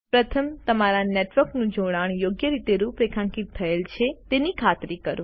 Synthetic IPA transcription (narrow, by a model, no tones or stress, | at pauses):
pɾət̪ʰəmt̪əmaɾaneʈʋəɾknũd͡ʒoɽ̃aɳ̃joɡjəɾit̪eɾupɾekʰãŋkit̪ʰːəelt͡ʃʰet̪enikʰat̪ɾikəɾũ